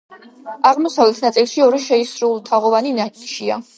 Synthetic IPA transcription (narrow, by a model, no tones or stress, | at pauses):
aʁmɔsavlɛt̪ʰnat̪sʼilˠʃiɔɾiʃɛisɾulˠt̪ʰaʁɔvaninaʃia